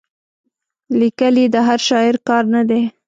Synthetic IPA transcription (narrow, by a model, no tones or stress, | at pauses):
likəlid̪əɦaɾʃɑɪɾkɑɾnad̪e